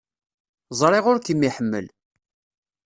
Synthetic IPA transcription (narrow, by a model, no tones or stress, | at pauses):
zˤɾˤɪʁʊɾkəmːiħəmːə̰l